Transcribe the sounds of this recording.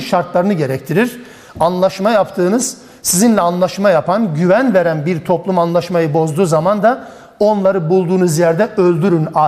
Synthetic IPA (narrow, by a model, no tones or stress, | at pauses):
ʃaɾt̪lˠaɾɯnɯɟe̞ɾɛct̪ʰiɾiɾ̥ | anlˠaʃmajapt̪ʰɯːnɯz̥ | sizinlʲɛanlˠaʃmajapʰanɟyvænve̞ɾænbiɾt̪ʰo̞plˠumanlˠaʃmajɯbo̞zd̪uːzamand̪a | o̞nlˠaɾɯbulˠd̪uːnuzjɛɾd̪ɛʔø̞lʲd̪yɾyna